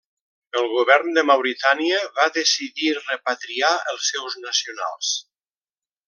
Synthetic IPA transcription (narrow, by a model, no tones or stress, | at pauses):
əlˠɣuβɛɾnd̪əmawɾit̪aniəβaðəsiðirəpat̪ɾiaəlˠsːɛwznəsiuna̰lˠs